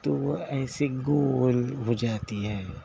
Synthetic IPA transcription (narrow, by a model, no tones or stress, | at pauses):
t̪oʋoɛːseɡolɦod͡ʒaːt̪iɦɛː